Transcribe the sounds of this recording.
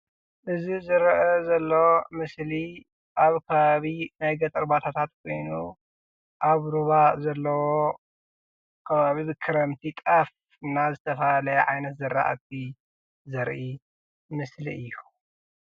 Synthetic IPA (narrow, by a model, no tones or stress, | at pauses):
ʔɨzizɨɾɐʔɐzɐlːomɨsli | ʔaβkʰɐβaβinajɡɐt̪ʼɐɾbat̪ʰat̪ʰat̪kʰo̞jnu | ʔaβɾuβazɐlːɐwo | kʰɐβaβibɨkʰɨɾɐmt̪ʰit̪ʼaf | nazɨt̪ʰɐfɐlɐʕajnɐt̪zɨɾːa̰ʔa̰t̪̚ʰi | zɐɾʔi | mɨsliʔɨjːu